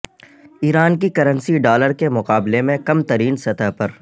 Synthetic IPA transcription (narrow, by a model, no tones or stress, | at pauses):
iːɾaːnk̬ikɐɾə̃nsiɖaːləɾkemʊqaːblemẽkɐmt̪ɐɾiːnsɐt̪əɦpɐɾ